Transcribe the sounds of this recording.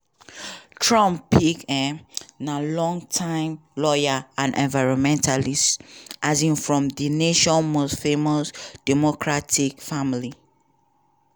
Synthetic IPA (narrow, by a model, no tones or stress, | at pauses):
tʰɹɔ̃mpʰːikɛnalɔ̃ŋtʰãɪ̃mlɔjaãnɛ̰̃nvaɪɹɔ̃nmɛ̃ntʰalisʔazĩŋfɹɔ̃mðineʃɔ̃nmosfemɔsd̥ɛmɔkʰɹatʰikfamli